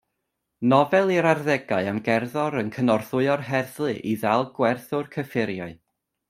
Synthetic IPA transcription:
nɔvɛlˠiɾarðɛɡaɨamɡɛrðɔɾənkʰənɔrθʊɨɔrɦɛrθlˠɨʔiðalˠɡ̥wɛrθʊrkʰəfɪɾjaɨ

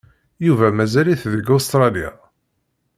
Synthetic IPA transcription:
juvæmæzæliθðəɡost̪ɾˤɑlija̰

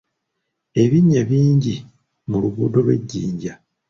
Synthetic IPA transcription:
e̞βiɲːaβiːɲɟi | muluβuːdo̞lwe̞̰ɟːḭːɲɟa

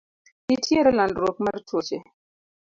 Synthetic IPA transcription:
nitʰjeɾalandɾok̚maɾtwot͡ʃe

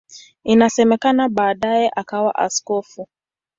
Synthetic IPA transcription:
inasɛmɛkanaɓaːɗajɛʔakawa̰ʔa̰skɔfu

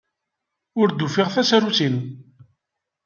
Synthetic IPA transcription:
ʊɾd̪ufiʁθæsɾusin

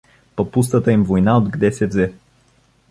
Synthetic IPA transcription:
pɐpust̪ət̪əimvojnaod̪ɡd̪ɛsɛvzɛ

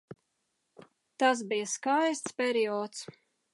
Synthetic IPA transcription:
t̪as̬bijɐskajst̪spʲɛɾiɔːt̪s

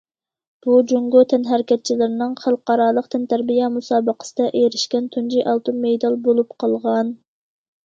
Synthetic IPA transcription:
b̥ud͡ʒoŋɡot̪ʰɛnɦæɾkʲɛt̪̚t͡ʃʰilɪɾnɨŋχælˠqɑɾɑlˠəqt̪ʰɛnt̪ʰæɾbijɛmusɑːbəqə̥sɨd̪ɛʔejɾɪʃkʲɛnt̪ʰund͡ʒiʔɑlˠt̪unmejd̪ɑlˠbolˠupqʰɑlˠʁɑn

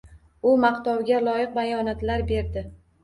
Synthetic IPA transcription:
ʊmaqt̪ɒwɡʲalˠɒjɨq̚bajɒnat̪laɾbe̞ɾd̪ɪ

